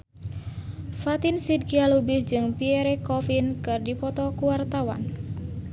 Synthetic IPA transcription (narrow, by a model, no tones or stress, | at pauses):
fat̪insid̚kialubisd͡ʒɨŋpiɛɾɛkɔfinkɨrdipɔt̪ɔkuwart̪awa̰n